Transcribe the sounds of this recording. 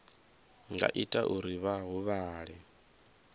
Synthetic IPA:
ŋɡa̰ʔitʼaʔuɾiβaɦuβaːɺɛ

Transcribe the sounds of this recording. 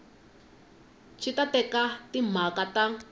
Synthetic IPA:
t͡ʃʰitatɛkatim̤akata

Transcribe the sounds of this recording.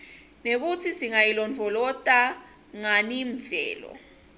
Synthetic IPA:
nek̬ut͡sʰisiŋajilɔnd͡vʱɔlɔtʼa | ŋaniɱvɛ̰ːlɔ̰

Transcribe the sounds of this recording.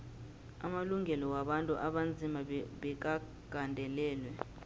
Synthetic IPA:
amaluŋɡʱɛlɔwaɓantʼṵʔaɓand͡zʱimaɓɛk̬a | ɡ̥ʱandʱɛlɛːlwɛ

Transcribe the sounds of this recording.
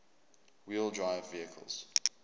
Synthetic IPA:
wilˠdɹaɪvːiəkʰə̰lˠz̥

